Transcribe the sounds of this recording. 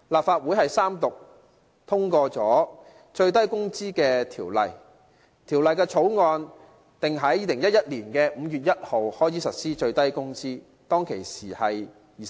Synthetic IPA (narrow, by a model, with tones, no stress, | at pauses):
laː˨p̚faː˧t̚wu˨˥jɦɐ˨jsaː˥mt̪ʊ˨k̚ | t̪ʰʊ˥ŋkɔː˧t͡sɔː˨˥ | t͡ʃɵ˧ɥt̪ɐ˥jkʊ˥ŋt͡siː˥kɛː˧t̪ʰiː˨˩wlɐ̰˨˩j | t̪ʰiː˨˩wlɐ˨jkɛː˧t͡ʃʰo˨˥wŋɔː˧n | t̪ɪ˨˩ŋɦɐ˨˥jiː˧lɪ˨˩ŋjɐ˥jɐ˥t̚liː˨˩nkɛː˧m̩ː˨˧jyː˨t̚jɐ˥t̚ho˨whɔː˥jt͡siː˨˥sɐ˨t̚siː˥t͡ʃɵ˧ɥt̪ɐ˥jkʊ˥ŋt͡siː˥ | t̪ɔː˥ŋkʰḛ˨˩jsiː˨˩hɐ˨j | iː˨